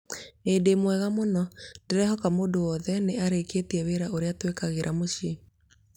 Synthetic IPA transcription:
edemwɛɣamonɔdeɾɛhɔkamoːdoɔðɛneaɾekeːtiɛweɾaoɾeatwekaɣeɾʔamoɕi

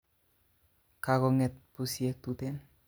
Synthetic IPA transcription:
kaɡɔŋɛt̪̚pusiek̚t̪ut̪en

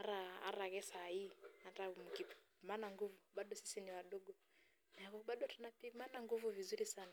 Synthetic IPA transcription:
aɾaa̰ɾaɣɛsahiiatamukippimanaŋɡuvuɓaɗɔsi̥siniwaɗɔɡɔ | nakɔɓaɗɔtunapimanaŋɡuvuvizuɾisana

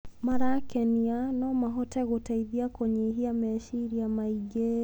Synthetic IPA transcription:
maɾakɛnianɔmaɦɔtɛɣotaiðiakwoɲɛɦiamɛʃiɾiamaiɡɛ

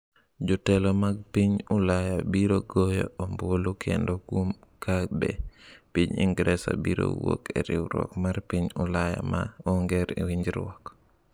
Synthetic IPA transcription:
d͡ʒutɛlomaɡ̚piɲulajabiɾoɡojoombuolukʰɛndoɡumkʰabɛpiɲḭŋɡɾɛsa̰biɾo̰wokeɾiwɾɔ̰kmaɾpiɲulaja̰ma̰ɔŋɡɛɾiwiɲd͡ʒiɾwɔk

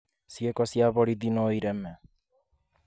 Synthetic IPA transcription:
siekɔsiaβɔɾiðinoiɾɛmɛ

